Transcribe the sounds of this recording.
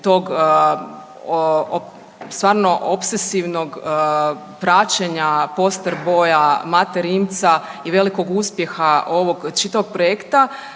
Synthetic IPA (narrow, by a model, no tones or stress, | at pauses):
t̪o̞ːɡ | o | st̪ʋaːɾno̞ʔopsesiʋno̞ɡ | pɾat͡ɕeɲapo̞st̪əɾbo̞ːjamat̪eɾimt̪saiʋe̞liko̞ɡuːspje̞xao̞ʋo̞ɡt͡ʃit̪aʋo̞ɡ̚pɾojekt̪a